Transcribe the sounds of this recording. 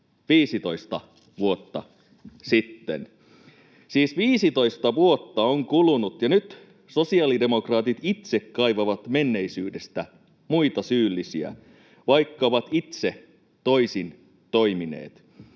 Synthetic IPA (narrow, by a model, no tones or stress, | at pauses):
ʋiːsit̪oist̪ɑ | ʋuot̪ːɑ | sit̪ːḛn | siːsʋiːsit̪o̞ist̪ɑʋuo̞t̪ːɑoŋkulunut̪jɑnyt̪ | sosiɑlide̞mo̞krɑːt̪it̪it̪sekːɑjʋɑʋɑt̪menːe̞isyːdest̪æ | muit̪ɑsyːlːisiæ̰ | ʋɑjkːɑoʋɑt̪it̪se | t̪o̞isin | t̪o̞iminḛːt̪